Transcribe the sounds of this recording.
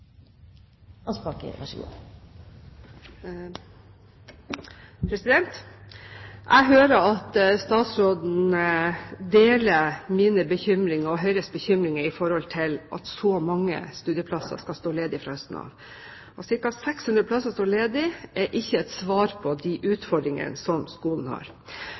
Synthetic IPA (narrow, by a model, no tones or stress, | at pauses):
ɑspɑkə̰ɾʋɑʂəɡṵː | pʰɾɛsɪd̪ɛnt̪ | ʔæ̰ɪɦøːɾəɾɑt̪st̪ɑːt̪sɾoːd̪n̩əd̪eːləmiːnəbəçʏmɾɪŋɑɔɦœʏɾəsbəçʏmɾɪŋəɾɪfɔɾhɔlt̪ʰɪlʔɑ̰t̪sɔmɑŋːə̰st̪ʉːd̪jəpʰlɑsɑ̰skɑst̪oːleːd̪ɪɪfɾɑhœst̪n̩ɑ̰ːʋ | ɔsɪɾkɑsɛkshʉnɾəplɑsɑst̪oːleːd̪ɪʔɛɾʔɪçːəɛt̪sʋɑːɾpʰɔd̪ɪʔʉːt̪fɔɖɾɪŋə̰nsɔmskuːln̩hɑ̰ɾ